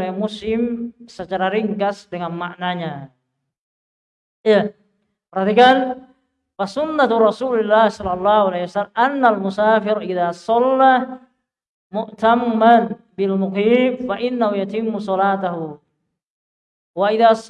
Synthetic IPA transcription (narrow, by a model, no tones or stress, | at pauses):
ɛmuslɪmsət͡ʃaɾaɾiŋkasdəŋanmaʔnaɲa | ija | pərhat̪ikan | fasunːat̪ɾɑsulilːahsɔlːɑlˤːɑhualahwasalmʔanːalmusaːfɪɾʔiðasɔlːah | muʔt̪amːan | bilmukibfaʔinːahujat̪imːusɔlat̪aɦu | waʔiðas